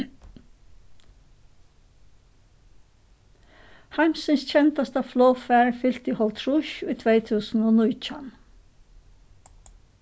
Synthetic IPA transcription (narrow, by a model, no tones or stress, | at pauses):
hæɪmsənsc͡çɛnt̪ɑst̪ɑfloːfæːɹfʏlt̪iːhɔlt̪ʰɹʊʃʊiːt̪ʰʋeɪt̪ʰʉːsn̩oːnuːc͡çɑn